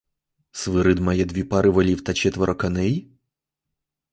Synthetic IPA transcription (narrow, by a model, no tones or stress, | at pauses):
sʋɪɾɪd̪majɛd̪ʲʋʲipɑɾɪʋɔlʲiwt̪ɐt͡ʃɛt̪ʋɔɾʔɔkɐnɛj